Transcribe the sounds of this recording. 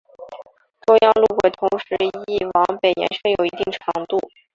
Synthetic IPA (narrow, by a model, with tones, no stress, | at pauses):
t̪ʊ˥ŋjɑ˥˧ŋlu˥˩xwe˨˩ɪt̪ʰʊ˧˥ŋʂɻ̩˧˥i˥˩wɑ˧˥ŋpe˨˩ɪjɛ̰˧˥nʂɤ˥˩ŋjo˨˩ʊi˧˥t̪i˥˩ŋʈ͡ʂʰɑ˧˥ŋt̪u˥˩